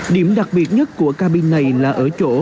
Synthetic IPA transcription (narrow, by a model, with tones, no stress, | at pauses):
ɗi˧˩əmɗa˨˩k̚ɓi˨˩ət̚ɲə˦˥t̚ku˧˩əkaː˧ɓi˧nːa˨˩jlaː˨˩ʔəː˧˩t͡ɕo̰˧˥